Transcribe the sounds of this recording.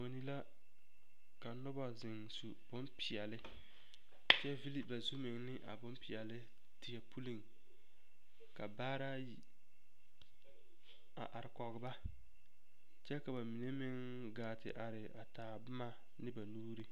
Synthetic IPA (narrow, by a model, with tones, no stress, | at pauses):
mo˨ni˦la˦ | ka˨nʊ˦ba˨zɪ˨ŋsu˨b̥ʊ˦mpɪ˨ɛ˨lɪ˦ | t͡ʃɛ˦vi˦li˨pba˨zu˦mɪ˨ŋnɪ˦ʔa̰˨bʊ˦mpɪ˨ɛ˨lɪ˦ | tɪ˨ɛ˨pʰu˦li˨ŋ | ka˨baː˦ɾa˦ji˨ | a̰˨ʔa˨ɾɪ˨kɔ˨ɣɪ˨ba˦ | t͡ʃɛ˦ka˨ba˨mi˨ne˦mɪ˦ŋ | ɡaː˨tɪ̰˨ʔa˨ɾɪ˨ʔa˨taː˨bʊ˦ma˦ | nɪ˦ba˨nuː˦ɾi˦